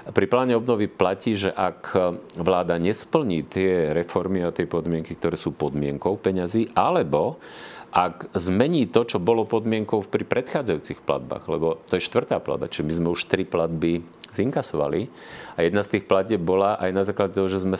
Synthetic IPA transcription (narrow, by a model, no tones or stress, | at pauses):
pɾiplaːɲɛɔbnɔʋiplaciːʒɛʔakʋlaːd̪aɲɛspl̩ɲiːt̪ɪɛɾɛfɔɾmiat̪ɪɛpɔd̪mɪɛŋkikt̪ɔɾɛːsuːpɔd̪mɪɛŋkɔʊpɛɲaziːʔalɛbɔ | ʔakzmɛɲiːt̪ɔt͡ʃɔbɔlɔpɔd̪mɪɛŋkɔʊfpɾipɾɛt̪xaːd͡zajuːt͡sixpla̰d̪̚ba̰ːɣlɛbɔt̪ɔjɛʃt̪ʋr̩t̪aːpla̰d̪̚bat͡ʃiʒɛmizmɛuʃt̪ɾiplad̪bi | ziŋkasɔʋa̰li | ajɛd̪nast̪iːxplacɛbbɔlaʔajnazaːklaɟɛt̪ɔɦɔʒɛzmɛ